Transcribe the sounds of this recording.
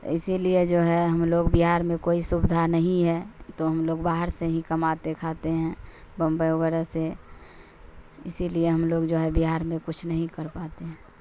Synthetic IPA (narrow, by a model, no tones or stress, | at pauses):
ɪsilied͡ʒoːɦɛɦəmloːɡbiɦaːɾmẽkoːisʊbd̪ʱanəɦĩɦɛt̪oɦəmloːɡbaːɦəɾseɦĩkəmat̪ekʰat̪eɦɛ̃ | bə̃mbəjʊɡəɾase | ɪsilieɦəmloːɡd͡ʒoːɦɛbiɦaːɾmẽkʊt͡ʃʰnəɦĩkəɾpat̪eɦɛ̃ː